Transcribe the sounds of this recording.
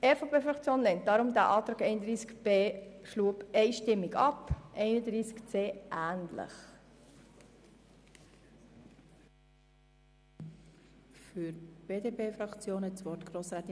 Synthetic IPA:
ɛfopʰeːfɾɑkt͡sjoːnlɛnt̚d̥ɑɾʊmdæ̰ʔɑːt̪ɾɑːkɛɪnədɾiːskb̥eːʃluːəpɛɪʃtɪmːɪɡɑpʔɛɪnədɾiːskt͡seːʔæːnlɪ̰χ | fyɾb̥eːdeːpʰeːfɾɑkt͡sjoːnɛtsʋɔtɡ̥ɾoːsɾɛːt̪

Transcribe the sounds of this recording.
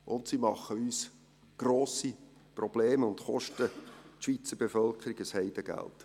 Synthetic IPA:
ʔʊntsimɑχəyːs | ɡ̥roːsi | prɔb̥leːməʊntχɔ̰ʃtətʃʋit͡səb̥efœlkəɾiɡəshɛɪd̥əɡ̥æ̰lt

